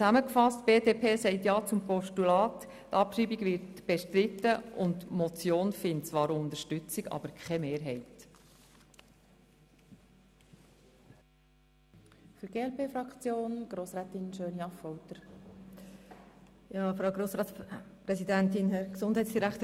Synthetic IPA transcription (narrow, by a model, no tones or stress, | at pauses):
t͡sæməkfɑstb̥eːdeːpʰeːsɛɪtjɑːt͡sʊmpɔʃtulɑːt | tɑpʃiːbiɡʋɪɾtb̥ɛʃtɾɪtːəʔʊntmɔt͡sjoːnfɪntt͡sʋɑːɾʊnd̪əɾʃtʏt͡siɡɑ̰b̥əɾkʰχɛmeːɾɦɛɪt | fyɾɡ̥eːɛlpeːfɾɑkt͡sjoːnɡ̥ɾoːsɾɛːt̪ɪnʃøːnjɑfɔwt̪əɾ | jɑːfɾɑwɡɾoːsɾɑːtspɾɛsidæntɪnɦɛɾksʊnd̥ɦɛɪtsd̥iɾækt̪ə